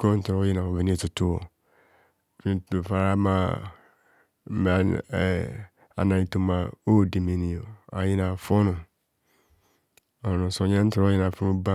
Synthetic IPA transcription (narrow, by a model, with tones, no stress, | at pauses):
kɔ˦n̩˦tʊ˨ɔ˦jɪ˦nã˨o˨vɪ˨ni˦tʊ˨tʊ˦o˨ | fĩ˦˨fa˨ɾa˦ma˦ | m˨ | a̰˨nã˨ɲi˨tu˦mã˨o˦˨di˨me˨nĩ˨o˨a̰˨jɪ˦nã˨fɔ˦nʊ̃˨ | ɔ˨ʊ̃˨sɔ̃˨ɲã˦n̩˦tʊ˨ɾjɪ˦nã˨fʊ˦ʊ˦bã˦